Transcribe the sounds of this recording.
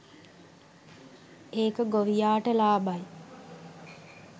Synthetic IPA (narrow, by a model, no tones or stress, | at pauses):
eːkəɡoʋijaːʈəlaːbaj